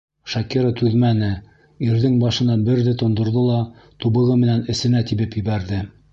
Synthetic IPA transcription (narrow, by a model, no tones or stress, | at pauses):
ʃɑkiɾət̪ʉðmænɘ | iɾðɘŋbɑʃɤ̆nɑbɘ̆ɾðɘt̪ŏnd̪ŏɾðɤlˠɑt̪uβɤ̆ʁɤmɘ̆nænɘ̆sɘ̆næt̪iβɘpjɘ̆βæɾðɘ